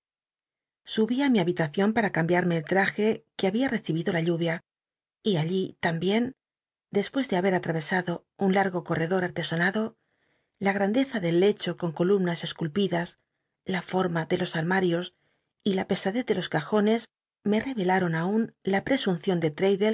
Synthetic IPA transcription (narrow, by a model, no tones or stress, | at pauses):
suβiamiaβit̪aθjo̞mpaɾakambjaɾmeːlt̪ɾaxe̞keaβiare̞θiβiðo̞laʎuβja | iaʎit̪ambje̞n | d̪e̞spwe̞zðe̞aβe̞ɾat̪ɾaβ̞e̞saðo̞ | unlaɾɣo̞ko̞re̞ðo̞ɾaɾt̪e̞sonaðo̞ | laɣ̞ɾand̪e̞θaðe̞lːe̞t͡ʃo̞ko̞ŋko̞lumnase̞skulpiðas | lafo̞ɾmaðe̞lo̞saɾmaɾjo̞s | ilape̞saðe̞θðe̞lo̞skaxo̞ne̞z | me̞re̞βe̞laɾo̞naunlapɾe̞sunθjo̞nd̪e̞t̪ɾejðe̞